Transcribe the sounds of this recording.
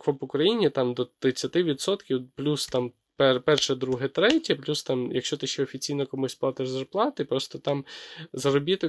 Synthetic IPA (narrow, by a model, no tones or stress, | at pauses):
kʋɔpʊkɾɐjinʲit̪ɑmd̪ɔt̪ɾɪt͡sʲːɐt̪ɪʋʲid̪sɔt̪kʲiwplʲust̪ɑm | pɛpɛrʃɛd̪ɾuɦɛt̪ɾɛtʲɐplʲust̪ɑmjɐkʃt͡ʃɔt̪ɪʃt͡ʃɛɔfʲit͡sʲijnɔkɔmusʲplˠɑt̪ɪʒzɐrplˠɑt̪ɪpɾɔst̪ɔt̪ɑmzɐɾɔbʲit̪ɔ